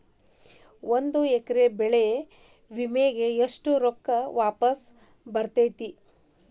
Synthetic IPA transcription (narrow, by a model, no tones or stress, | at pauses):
ʔond̪uekɐɾebɛɭee | ʋimeɡe̞eʂʈuɾokːɐʋaːpɐs | bɐɾt̪ɐjt̪i